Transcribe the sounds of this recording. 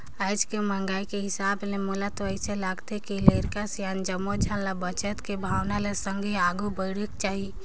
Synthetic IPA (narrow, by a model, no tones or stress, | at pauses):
əɪd͡ʒkeməŋɡaːikeɦɪsaːblemolat̪oəɪselaːɡt̪ekileɾkasjand͡ʒəmːod͡ʒʱanlabət͡ʃət̪kebʱaːwnalesəŋɡʱeaːɡubəɪɽekt͡ʃaːɦi